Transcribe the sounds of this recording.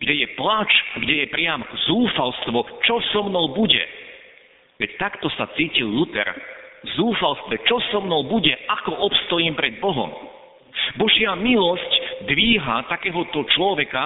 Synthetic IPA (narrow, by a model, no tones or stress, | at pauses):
ɡ̥ɟɛjɛplat͡ʃɡɟɛjɛpɾɪamzuːfalst̪ʋɔt͡ʃɔsɔmnɔwbuɟɛ̰ | ʋɛct̪akt̪ɔsat͡siːcilːut̪ɛ̰ɾzuːfalst̪ʋɛt͡ʃɔsɔmnɔʊbuɟɛakɔʔɔpst̪ɔjiːmpɾɛd̪̚bɔɦɔ̰m | bɔʒɪamilɔscd̪ʋiːɦat̪akɛːɦɔt̪ɔt͡ʃlɔʋɛka